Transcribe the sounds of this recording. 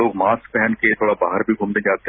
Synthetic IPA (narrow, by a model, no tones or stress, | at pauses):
oːɡmaːskpɛɦɛnket̪ʰoːɽabaːɦəɾbʱiɡʱuːmd̪ẽd͡ʒaːt̪ː